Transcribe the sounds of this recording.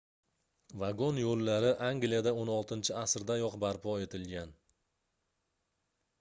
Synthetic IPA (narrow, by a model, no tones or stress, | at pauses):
vaɡonjolːaɾɪʔaŋɡlijad̪aonɒlˠt̪ʰɪnt͡ʃʰɪasɾd̪ajɒqbaɾpʰɒe̞t̪ʰɪlɡʲan